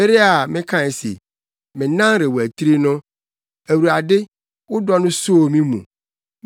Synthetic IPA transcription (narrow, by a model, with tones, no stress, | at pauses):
e˦ɾe˦a˨mɪ̃˦kʰã˦ɛ˨sḛ˨ | mɪ̃˨nã˦nɾe˨wo˨æ˨t̪ʰi˦ɾi˦nʊ̃˦ | æ˨wu˨ɾa˨dɪ˦ | wʊ˦dɔ˦nʊ̃˦so˦o˨mĩ˦mṵ̃˨